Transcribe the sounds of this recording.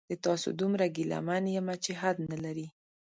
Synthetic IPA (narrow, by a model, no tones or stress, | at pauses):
d̪̥ət̪ɑso̰d̪umɾaɡila̰manjamat͡ʃeɦad̪nalaɾi